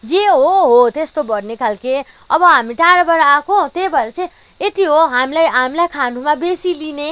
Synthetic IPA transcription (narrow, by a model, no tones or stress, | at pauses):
d͡zeɦoɦot̪est̪obʌɽnekʰalke | ʌbʌɦamiʈaɾbʌɾakot̪ebʌɾet͡sʰʌ̃ | et̪iɦoɦamilajɦamilajkʰanɖʱumabesiline